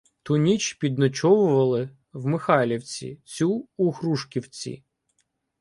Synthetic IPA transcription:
t̪ʊnʲit͡ʃpʲid̪nɔt͡ʃɔʋʊʋɐlˠɪ | wmɪxɑlʲiwt͡sʲḭt͡sʲuːhɾuʃkʲiwt͡sʲḭ

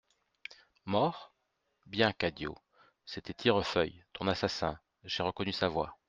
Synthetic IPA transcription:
mɔʁ | bjɛ̃kad̪jo̰ | set̪ɛt̪ʰiʁəfœjt̪ɔ̃nasasɛ̰̃ | ʒeʁəkɔnysavwa

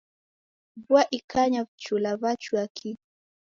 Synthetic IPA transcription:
bwaʔikaɲavt͡ʃulaβat͡ʃuakʰi

